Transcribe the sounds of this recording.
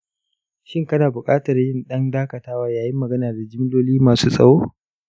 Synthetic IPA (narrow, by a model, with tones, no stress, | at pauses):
ʃɪ˦ŋkɐ˦naː˨bʊ˨kʼaː˦tɐ˨rjɪ˦nɗɐ˦ndaː˦kɐ˨taː˦waː˦jaː˨jɪ˦mːɐ˨ɡɐ˦naː˨da˨d͡ʒɪ˦mloː˦liː˦maː˨suː˦sʼɐ̰˨ɽoː˦